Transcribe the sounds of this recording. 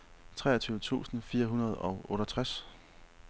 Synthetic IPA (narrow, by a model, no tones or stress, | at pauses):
t͡sʰʁɛ̰ːɐt͡sʰyːʊət͡sʰṵːsn̩fiːɐɦunɐð̞̩ˠɒ̽ʊʔɔ̽ːɾɐt͡sʰʁas